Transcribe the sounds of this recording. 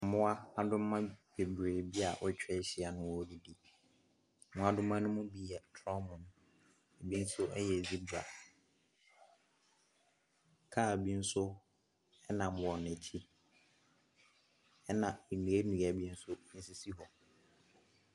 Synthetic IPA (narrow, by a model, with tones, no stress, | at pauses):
mʊ̃˦a˦a˦dʊ̃˦m˦ã˦be˨bɾeː˨bi˦a˨ʔɔ˦t͡ɕᶣɛ˦ɕi˦a˨nʊ̃˦wɔ˦di˦di˦˨˦ | mʊ̃˦a˦dʊ̃˦mã˦nʊ̃˦mʊ̃˦bi˦ɛ˨tʰɔ˦mʊ̃˨ñ˦ | e˨bi˦n̩˦sʊ˦ɛ˦jɛ˨zi˦bu˨ɾa̰˨ | kʰaː˦˨bi˦n̩˦sʊ˦ | ɛ˦nã˨mʊ̃˨ɔ˨n˨ɪ̃˨t͡ɕʰi˦ | ɛ˦nã˨i˨nũ˨e˦nũ˨a˨bi˦n̩˦sʊ˦n̩˦si˦si˦ɦɔ˨